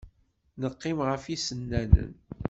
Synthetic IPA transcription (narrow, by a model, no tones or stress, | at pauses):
nəqːɪmʁəfisənːænə̰n